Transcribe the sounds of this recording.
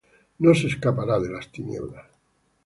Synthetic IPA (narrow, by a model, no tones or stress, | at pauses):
noseskapaɾaðelast̪injḛβlas